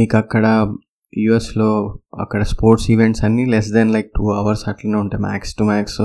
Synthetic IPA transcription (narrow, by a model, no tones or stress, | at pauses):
miːkɐkːɐɽɐ | juːesloːɐ̰kːɐɽɐspoːɾʈsiʋeɳʈsɐnːilɛs̬d̪ɛnlɐjk̚ʈuːɐʋɐɾsɐʈlinɐuɳʈemæ̰ːksʈumæːks